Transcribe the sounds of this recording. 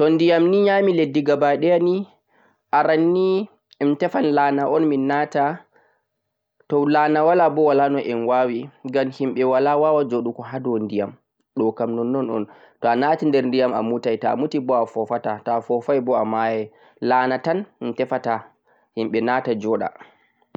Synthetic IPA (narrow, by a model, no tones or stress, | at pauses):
tɔndijamniɲamiledːiɡabaɗɛani | ʔaɾanːi | ɛmtɛfanlanaʔɔnminata | tɔlaːnawalabɔwalanɔʔɛnwawiɡamhimɓɛwalawawad͡ʒoɗukɔɦadɔndijam | ɗɔkamnɔnːɔnɔ̰n | tɔanatindɛɾndijama̰mutajtamutibɔafɔfatatafɔfajbɔamajɛ | laːnatanmitɛfata | himɓɛnaːtad͡ʒɔɗa̰